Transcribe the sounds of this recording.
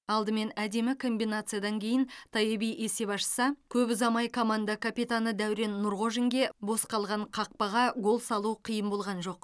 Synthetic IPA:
ɑlˠd̪əme̞næd̪e̞mɪkʰo̞mbijnat̪sɨjad̪ɑŋkʲʰe̞jɪnt̪ʰɑjebijʔese̞pɑʃə̥sɑkʲʰɵbɪzɑmɑjkʰo̞mand̪akʰapijt̪anəd̪æwɾe̞nːʊɾʁo̞ʒiŋɡʲe̞bo̞sqɑlˠʁɑɴqʰɑq̚pɑʁɑɡo̞lˠsɑlˠuqʰəjəmbo̞lˠʁɑnʒo̞q̚

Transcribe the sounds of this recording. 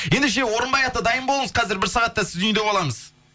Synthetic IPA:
je̞nd̪eʃ̬e̞wo̞ɾənbɑjɑt̪ːəd̪ɑjəmbolˠəməzqʰɑzɪɾbɪɾsɑʁɑt̪ːɑsɪzʏjnd̪e̞bɑlˠɑməz̥

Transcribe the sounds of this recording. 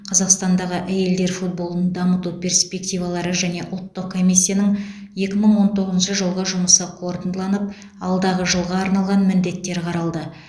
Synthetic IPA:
qʰɑzɑqst̪ɑnd̪ɑʁəʔæje̞ld̪e̞ɾfut̪̚bo̞lˠənd̪ɑmət̪upʲʰe̞ɾspe̞kt̪ijvɑlˠɑɾəʒæne̞ʔʊlˠt̪ːəqkʰːo̞mʲijsʲːijanəŋje̞kʲɪməɴwo̞nt̪ʰo̞ʁəzənʃəʒəlˠʁəʒʊməsəqʰo̞ɾt̪ənd̪lˠɑnəp̚ | ɑlˠd̪ɑʁəʒəlˠʁɑːɾnɑlˠʁɑnmɪnd̪e̞t̪ːe̞ɾqʰɑɾɑlˠd̪ə

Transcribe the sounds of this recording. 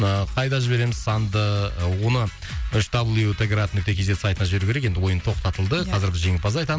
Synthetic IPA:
əqʰɑjd̪ɑʒɪbe̞ɾe̞mɪz̥sɑnd̪əwo̞nə | ʏʃd̪ɑblˠit̪ʰeɡʲeɾat̪̚nʏk̚t̪e̞kʲʰezd̪esajt̪ənɑʒbeɾukʲeɾeke̞nd̪ɪwo̞jənt̪ʰo̞qt̪ɑt̪əlˠd̪əqʰɑzɪɾbɪzʒe̞ŋɪlpɑzɑjt̪ɑ

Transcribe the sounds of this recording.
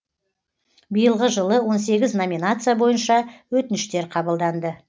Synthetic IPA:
bijəlˠʁəʒəlˠəwo̞ns̬e̞ɡʲɪzno̞mʲinat̪sɨjabo̞jənʃɑwɵt̪ɪnɪʃt̪e̞ɾqʰɑbəlˠd̪ɑnd̪ə

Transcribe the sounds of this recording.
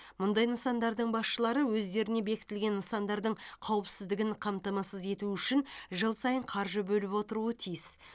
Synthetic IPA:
mʊnd̪ɑjnəsɑnd̪ɑɾd̪əɴbɑsʃəlˠɑɾəwɵzd̪e̞ɾɪne̞be̞kʲɪ̥t̪ɪlɡʲe̞nːəsɑnd̪ɑɾd̪əɴqʰɑwəpsɪzd̪ɪɡʲɪɴqʰɑmt̪ɑmɑsəze̞t̪uʏʃɪnʒəlˠsɑjəɴqʰɑɾʒəbɵlɪpwo̞t̪əɾuət̪ʰijɪs

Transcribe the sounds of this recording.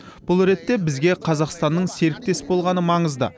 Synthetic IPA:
b̥ʊlˠɾe̞t̪ːe̞bɪzɡʲe̞qʰɑzɑqst̪ɑnːəɴse̞ɾɪk̚t̪e̞sbo̞lˠʁɑnəmɑɴəzd̪ə̰

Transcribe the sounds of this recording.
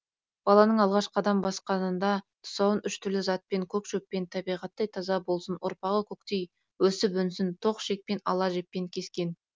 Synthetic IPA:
b̥ɑlˠɑnəɴɑlˠʁɑʃqʰɑd̪ɑmbɑsqɑnənd̪ɑt̪ʰʊ̥sɑwənʔʏʃt̪ʰʏɾlɪzɑt̪̚pe̞ŋkʲʰɵkʃɵpːe̞nt̪ʰɑbijʁɑt̪ːɑjt̪ʰɑzɑbo̞lˠsənwʊɾpɑʁəkʲʰɵkt̪e̞j | wɵsɪp̬ʏnsɪnt̪ʰo̞qʃek̚pe̞nɑ̰lˠɑʒe̞ppːe̞ŋkʲʰe̞skʲe̞n

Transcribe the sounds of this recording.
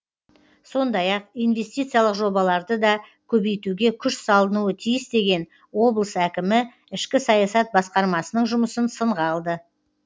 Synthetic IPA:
so̞nd̪ɑjɑqijnve̞st̪ijt̪sɨjalˠəqʒo̞bɑlˠɑɾd̪əd̪ɑkʲʰɵbejt̪uɡʲe̞kʲʰʏʃsɑlˠənuət̪ʰijɪsd̪e̞ɡʲe̞n | wo̞blˠəsækʲɪmɪ | ɪʃkʲɪsɑjɑsɑt̪̚bɑsqɑɾmɑsənəɴʒʊməsənsəɴʁɑɑlˠd̪ə

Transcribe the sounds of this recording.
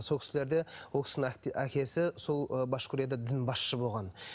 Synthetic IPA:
so̞lˠkʲɪsɪle̞ɾd̪e̞wo̞lˠkʲɪ̥snækʲe̞sɪso̞lˠbɑʃkʰʲʊɾijad̪ɑd̪ɪnbɑsʃəbo̞lˠʁɑn

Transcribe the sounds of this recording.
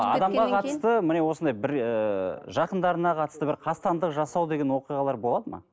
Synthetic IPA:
ɑ̰d̪ɑmʁɑqʰɑt̪ə̥st̪əmɪne̞wo̞sənd̪ɑjbɪɾəʒɑqənd̪ɑɾənɑqʰɑt̪əst̪əbɪɾqʰɑst̪ɑnd̪əqʒɑsɑwd̪e̞ɡʲewo̞qijʁɑlˠɑɾbo̞lˠɑd̪əmɑ̰

